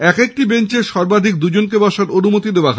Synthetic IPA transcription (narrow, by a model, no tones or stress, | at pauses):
ɛkek̚ʈibeɲt͡ɕeɾʃɔɾbad̪ʱik̚d̪ud͡ʑonkebɔʃaɾonumot̪id̪ewaɦ